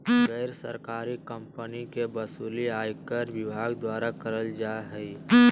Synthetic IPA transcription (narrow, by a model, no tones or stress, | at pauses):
ɣɛɪɾsə̰ɾkaːɾikəmpənikebɐsuːliaːjkəɾʋɪbʱaːɡd̪waːɾakəɾəld͡ʒaɦəi